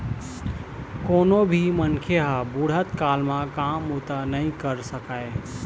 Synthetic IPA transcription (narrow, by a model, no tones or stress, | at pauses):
koːnobʱimənkʰeɦabuɽ̤ɦət̪kaːlmãkamut̪anəĩkəɾsəkae